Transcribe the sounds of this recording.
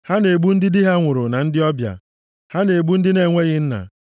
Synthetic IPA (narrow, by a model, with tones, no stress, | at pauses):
ha˦ne˨ɡ͡bu˦n̩˦dɪ˦dɪ˦ɦa˦ŋʷʊ˨ɾʊ˨na˨n̩˦dɪ˦ɔ˦bja̰˨ | ha˦ne˨ɡ͡bu˦n̩˦dɪ˦ne˨ŋʷe˦ɣɪ˦n̩˦na̰˨